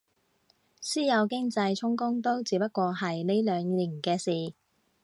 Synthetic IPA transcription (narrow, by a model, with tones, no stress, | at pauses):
siː˥jɐ˨˧wkɪ˥ŋt͡sɐ˧jt͡ʃʰʊ˥ŋkʊ˥ŋt̪o˥wt͡siː˨˧pɐ˥t̚kʷɔː˧ɦɐ˨jne˥jlœː˨˧ŋliː˨˩nkɛː˧siː˨˩